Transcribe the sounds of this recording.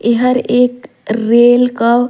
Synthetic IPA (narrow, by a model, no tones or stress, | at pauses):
eɦəɾeːk | ɾeːlka